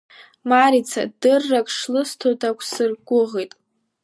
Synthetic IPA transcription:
maɾit͡sʰa̰dɨrːakʼʰʂlɨstʰodakʷʰsɨrɡʷʊʁejtʼ

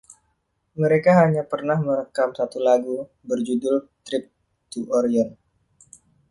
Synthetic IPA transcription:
məɾekaɦaɲapərnahməɾəkamsat̪ulaɡu | bərd͡ʒudʊlt̪ɾɪp̚ | t̪uʔɔɾiɔn

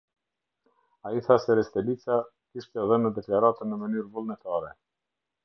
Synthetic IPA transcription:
aiθasɛɾɛst̪ɛlit͡sa | kiʃt̪ɛðənːəd̪ɛklaɾat̪ənːəmənyɾvulˠnɛt̪aɾɛ

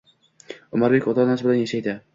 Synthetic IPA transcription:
ʊmaɾbekʲɒt̪ʰɒnasbɪlanjaʃajd̪ɪ

